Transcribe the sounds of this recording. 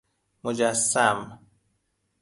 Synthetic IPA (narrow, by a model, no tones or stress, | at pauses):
mod͡ʒasːam